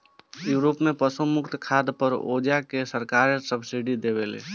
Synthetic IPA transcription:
juɾopmepəsumʊkt̪kʰad̪pəɾo̰d͡ʒakesəɾkaɾsəbsiɖid̪eβelḛ

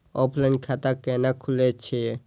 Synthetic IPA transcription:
opʰlankʰat̪akenakʰulet͡ʃʰe

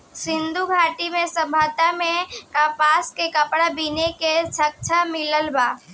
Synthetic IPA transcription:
sɪ̃nd̪ʱuɡʱaːʈimẽsəbʱaːt̪amẽkapaːskekəpɽabineket͡ʃʰək̚t͡ʃʰamɪləlbaː

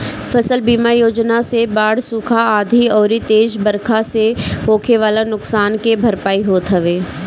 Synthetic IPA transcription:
fʰɐsəlbiːmajoːd͡ʒnasebaːɽsuːkʰaaːd̪ʱiɔːɾit̪eːʃbɐɾkʰaseɦoːkʰeʋaːlanʊksaːnkebʱɐɾpaːiɦoːt̪ɦəʋeː

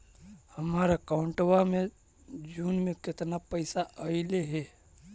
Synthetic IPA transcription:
həmaːɾakaʊɳʈwamẽ | d͡ʒuːnmẽkɪt̪napəɪsaʔəɪleɦɛ

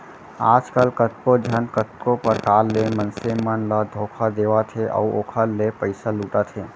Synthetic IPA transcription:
aːd͡ʒkəlkət̪̚kod͡ʒʱənkət̪kopəɾkaːɾlemənsemənləd̪ʱoːkʰad̪eːʋat̪ʰeʔɔ̰uoːkʰalepəɪsaluːʈat̪ʰeː

